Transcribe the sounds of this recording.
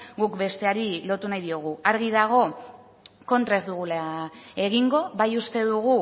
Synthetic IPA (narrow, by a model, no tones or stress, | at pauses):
ɡukbe̞st̪e̞aɾilo̞t̪unajðio̞ɣ̞uaɾɣiðaɣ̞o̞ | ko̞nt̪ɾae̞zd̪uɣulae̞ɣiŋɡo̞βajust̪e̞ð̞uɣ̞u